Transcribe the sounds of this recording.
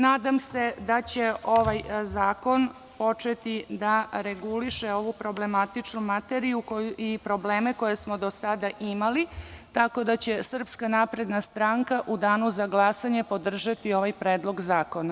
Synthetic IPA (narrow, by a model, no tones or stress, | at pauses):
naːd̪amse̞d̪at͡ɕe̞o̞ʋajzaːko̞n | po̞t͡ʂet̪id̪aɾeɡuliʃe̞o̞ʋupɾo̞ble̞mat̪it͡ʂnumat̪eɾijukouipɾo̞bleːme̞ko̞jesmo̞d̪o̞sad̪aʔimalit̪ako̞d̪at͡ɕe̞sr̩pskanapɾe̞d̪nast̪ɾaŋkaʔud̪aːnuzaɡlˠasaɲe̞po̞d̪r̩ʒat̪io̞ʋajpɾeːd̪lˠo̞ɡzaːko̞na